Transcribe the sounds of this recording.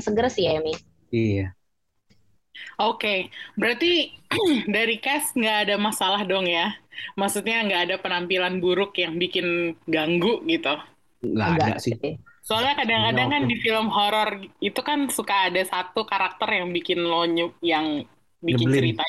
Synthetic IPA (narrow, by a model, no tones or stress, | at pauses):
səɡəɾəsjaemi | ija | okebəɾart̪i | daɾikɛsŋɡaːdamasalahdɔŋjamaksut̪̚ɲaŋɡaːdapənampilanbuɾʊkjaŋbikɪnɡaŋɡʊʔɡit̪u | ŋɡa̰ŋada̰sɪsoalɲakadaŋkadaŋŋkandifiləmɦɔɾɔrit̪ukansukaːdasat̪ukaɾak̚t̪ərjaŋbikɪnloɲʊjaŋ | bikɪnt͡ʃəɾit̪a